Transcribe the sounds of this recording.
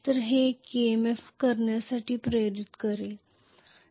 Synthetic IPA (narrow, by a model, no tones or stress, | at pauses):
t̪əɾɦekemefkəɾɳjasaʈʰiːpɾəjoɾit̪kəɾe